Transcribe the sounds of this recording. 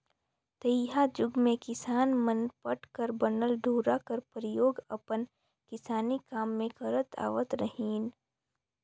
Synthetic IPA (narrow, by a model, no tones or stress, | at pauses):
t̪əjɦad͡ʒʊɡmẽkɪsaːnmənpəʈkəɾbənəlɖʱuːɾakəɾpɾəjoːɡɐpən | kɪsaːnikaːmːẽkəɾət̪a̰ːʋət̪ɾəɦiːn